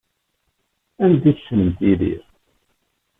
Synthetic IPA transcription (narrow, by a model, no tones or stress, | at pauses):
ænd̪iθʃənəmt̪iðḭɾ